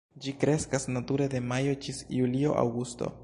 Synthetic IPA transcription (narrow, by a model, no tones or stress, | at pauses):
d͡ʒikɾe̞skasnatuɾe̞de̞majo̞d͡ʒisjulio̞̰ʔa̰wɡusto̰